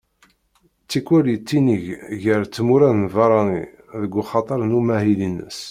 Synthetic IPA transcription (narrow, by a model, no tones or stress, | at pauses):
t͡sːikʷːwælit͡sːiniʝʝəɾt͡sːmuɾæðnvɑɾˤɑnḭ | ðəɡːuχɑt̪ˤəɾˤnumæhilinːə̰s